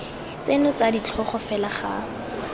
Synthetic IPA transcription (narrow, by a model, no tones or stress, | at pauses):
t͡senɔt͡sadit͡ɬʰɔχɔfɛlaχa